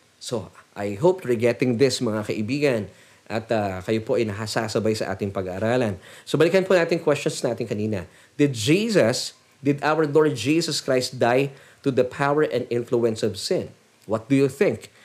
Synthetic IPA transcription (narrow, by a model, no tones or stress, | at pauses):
soʔajɦopɹɛɡɛt̪ɪ̃ŋd̪ɪsmɐŋakɐʔɪbiːɡɐn | ʔɐt̪akɐjopo̞ʔɐjnɐɦasasɐbajsɐʔa̰ːt̪ɪŋpɐɡa̰ːɾaːlɐnsobɐlɪkɐnponaːt̪ɪŋkwɛst͡ʃɔnsnaːt̪ɪŋkɐniːnɐ̰ | d̪̥ɪd̪̚d͡ʒiːsɐs | d̪ɪd̪ʔawəɹloɹd̪̚d͡ʒiːsɐskɹajst̪̚d̪aj | t̪ud̪ɐpʰawəɹʔɛ̃nd̪ɪ̃nfluɛ̃nsɔvsɪ̃n | wɐt̪̚d̪ʊjuθɪ̃ŋk